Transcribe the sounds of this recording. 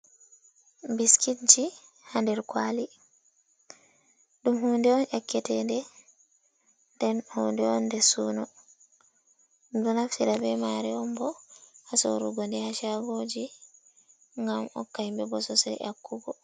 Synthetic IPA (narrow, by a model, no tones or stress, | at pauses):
biskitd͡ʒi | handɛɾkwali | ɗumhuːndɛɔnʔɛkːɛtɛndɛ | ndɛnhundɛɔndɛsuːnɔ | dunafsiɾabɛmaɾɛɔmbɔhaso̰ɾuɡɔndɛhaʃaɡod͡ʒi | ŋɡamɔ̰kːajmbɛbɔsɔsa̰jʔa̰kːuɡɔ